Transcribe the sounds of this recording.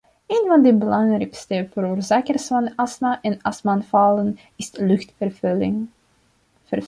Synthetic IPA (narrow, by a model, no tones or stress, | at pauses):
eːnvɑndəbəlɑŋrɛkstəvəɾoːrzaːkərsfɑnɑsnaʔɛnɑsmanfɑlən | ɪslʏxtfəɪŋ | ə